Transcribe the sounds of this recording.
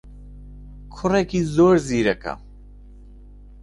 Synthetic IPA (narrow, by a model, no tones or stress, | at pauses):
kʰʊrekizoːɾziːɾɐka̰